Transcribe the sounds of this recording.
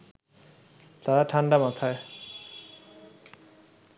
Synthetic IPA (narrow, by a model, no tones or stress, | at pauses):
t̪aɹaʈʰanɖamat̪ʰae